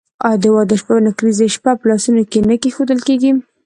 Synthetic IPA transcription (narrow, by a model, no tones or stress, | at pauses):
ɑd̪əwɑd̪əʃpanakɾizeʃpapəlɑsunokenəkexod̪əlkeɡim